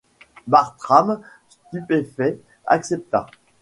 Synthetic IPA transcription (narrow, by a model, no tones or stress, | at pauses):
baʁt̪χam | st̪ypefɛ | a̰ksɛp̚t̪a̰